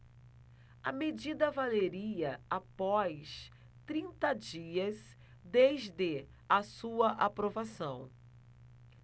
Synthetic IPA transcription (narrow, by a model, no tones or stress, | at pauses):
ɐmed͡ʒid̪ɐvaleɾiɐapɔjs | t̪ɾĩnt̪ɐd͡ʒiɐs | d̪ezd̪ɪ | ɐsuɐʔapɾovasɐ̃w̃